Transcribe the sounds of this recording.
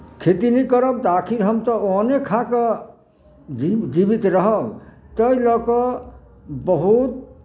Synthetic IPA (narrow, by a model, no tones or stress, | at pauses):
kʰet̪inikəɾɔbt̪ɔakʰiɾɦəmt̪ɔonekʰakɔ | d͡ʒid͡ʒibit̪ɾəɦəb | t̪əjlɔkɔ | bəɦut̪̚